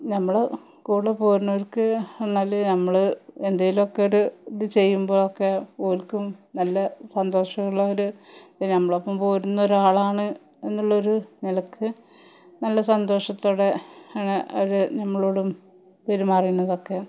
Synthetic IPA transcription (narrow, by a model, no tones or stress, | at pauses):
nɐmːɐɭ | kuːɽepoːɾunːɐɐlkːɨenːaːlnɐmːɐɭend̪ɐjilumokːeoɾuðɨt͡ɕe̞jːumbo̞ːɭokːepoːlkʲːumnɐlːɐsɐnd̪o̞ːʂɐŋːɐɭːɐoɾunɐmːɐɭopːɐmpoːɾunːɐoɾuaːɭaːɳɨ | e̞nːuɭːɐoɾunilɐkʰːɨ | nɐlːɐsɐnd̪o̞ːʂɐt̪ːoːɽeaɳeʔɐɾɨnɐmːɐɭoːɽum | peɾumɐrijunːɐðokːe